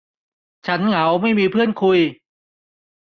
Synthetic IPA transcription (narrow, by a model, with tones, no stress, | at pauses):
t͡ɕʰa˦˥nŋa˩˦wma˥˩jmiː˧pʰɯ˥˩ənkʰu˧j